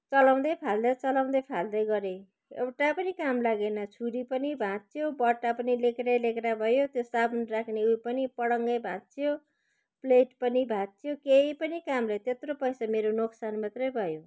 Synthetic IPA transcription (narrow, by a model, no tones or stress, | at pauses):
t͡sʌlʌw̃d̪ʌjpʰald̪ʌt͡sʌlʌw̃d̪ʌjpʰald̪ʌjɡʌɾe | ḛwʈapʌnikamlaɡenʌt͡sʰuɽipʌnibʱãt̪t͡sʰjobʌʈːapʌnilekeɾelekeɾabʱʌjot̪josabnrakʰneujpʌnipʌɽʌŋɡʌjbʱãt̪̚t͡sʰijo | pleʈpʌnibʱãt̪̚t͡sʰjokeipʌnikamlʌt̪et̪ropʌjsameɾonoksanmat̪rʌjbʱʌjo